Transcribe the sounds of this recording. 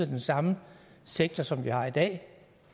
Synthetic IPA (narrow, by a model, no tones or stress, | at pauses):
d̥ensɑ̈mə | seɡ̥̚t͡sʰɒsɒ̽mʋihɑ̈id̥ɛ̰ː